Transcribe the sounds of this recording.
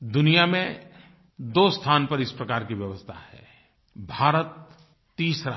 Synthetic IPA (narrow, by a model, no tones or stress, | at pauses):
d̪ʊnijamẽ | d̪oːst̪ʰaːnpɐɾɪspɾɐkaːɾkiʋjɐʋəst̪ʰa̰hɛ̰ː | bʱaːɾət̪ː | iːsɾa